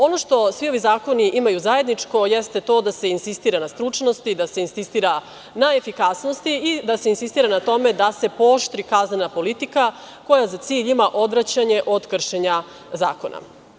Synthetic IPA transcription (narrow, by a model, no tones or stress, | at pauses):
o̞no̞ʃt̪o̞sʋio̞ʋizaːko̞niʔimajuzaje̞d̪nit͡ʂko̞jɛst̪e̞t̪o̞ːd̪ase̞insist̪iːɾanast̪ɾut͡ʂno̞st̪id̪ase̞insist̪iːɾa | nae̞fikasnost̪iid̪ase̞insist̪iːɾanat̪o̞me̞d̪ase̞po̞ʃt̪ɾikaznenapo̞lit̪ika | ko̞jazat̪siːʎimaʔo̞d̪ʋɾat͡ɕaɲe̞ʔo̞d̪kr̩ʃeɲa | za̰ːko̞nʔa̰